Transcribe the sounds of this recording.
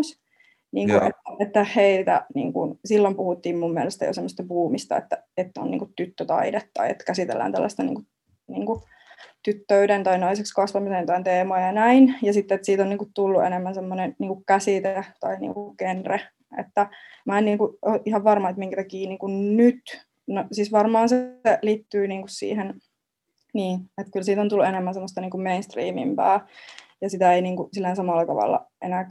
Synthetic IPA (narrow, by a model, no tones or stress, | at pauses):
s | niːŋkuʔḛt̪ːet̪ːæheit̪æ̰nḭːŋkṵnsilːompuhut̪ːiːmmumːiælest̪æ̰jo̰semːost̪ɑpuːmist̪ɑ̰ḛt̪ːæet̪ːæo̰nḭŋkut̪ːyt̪ːøt̪ɑ̰idet̪ːɑ̰iḛt̪ːkæsit̪ḛlːæ̰ːnæ̰lːɑ̰st̪ɑnḭːŋku | niːŋku | t̪yt̪ːøydent̪ɑinɑisekskɑsʋɑmisent̪ɑint̪eːmɑːjɑnæinjɑsit̪ːet̪siːt̪onniːŋkut̪t̪ulːuʔḛnemːænsemːonenniːŋkukkæsit̪et̪ɑinḭːŋkukenre | ʔḛt̪ːæ | mæːenniːŋkuoʔihɑʋʋɑrmɑet̪miŋkæt̪ɑkiːniːkunnyt̪ | nosisʋɑrmɑːnseliːt̪ːyːniːŋkussḭːhen | niːnet̪kylsiːt̪ont̪ulːuenemːænsemːost̪ɑniːŋkummeinst̪rḭːmḭmpæ̰ːjɑsit̪æeiniːŋkusilːænsɑmɑlːɑt̪ɑ̰ʋɑ̰lːɑ̰ʔenæk